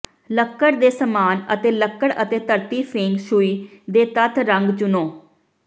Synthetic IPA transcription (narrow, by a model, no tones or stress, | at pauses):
ləkːəɽd̪eːsəmaːnə̰t̪eːləkːəɽət̪eːt̪əɾt̪iːpʰɪŋɡʃʊiːd̪eːt̪ət̪ʰɾəŋɡt͡ʃʊnõː